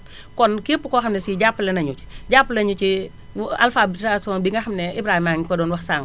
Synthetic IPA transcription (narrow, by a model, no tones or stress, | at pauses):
kɔnkipːukɔːxɐmnɛsiɟapːlɛnɐɲut͡ʃi̥ɟapːəlɛɲut͡ʃi | a̰lfabitasɔːnbiŋɡɐxɐmnɛʔibɾaːhimaŋikɔdɔːnwɐxsaːŋ